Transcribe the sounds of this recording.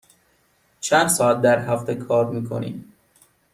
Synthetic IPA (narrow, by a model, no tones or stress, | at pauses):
t͡ʃʰænd̪sɒːæt̪̚d̪æɾɦæft̪ʰekʰɒːɾmiːkʰo̰nḭːm